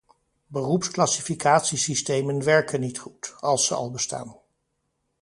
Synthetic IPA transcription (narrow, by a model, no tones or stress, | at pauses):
bərupsklɑsifikaːtsisistejmənʋɛɹkənːitχutɑlˠsəɑ̰lˠbəsta̰ːn